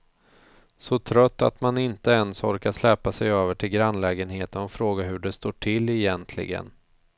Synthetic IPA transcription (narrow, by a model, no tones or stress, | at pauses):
sɔt̪ʰɾœt̪ːa̰t̪manɪnt̪əɛnsɔɾkaʂlɛpːasɛjøːvəʈʰɪlɡɾanlɛːɡənheːt̪ənɔfɾoːɡaɦɵɖɛst̪oːʈʰɪlːɛjɛnt̪ʰlɪ̰ɡə̰n